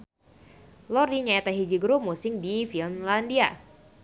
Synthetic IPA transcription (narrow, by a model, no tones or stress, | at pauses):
lɔɾiɲaɛt̪aɦid͡ʒiɡɾup̚musɪŋdifinlandia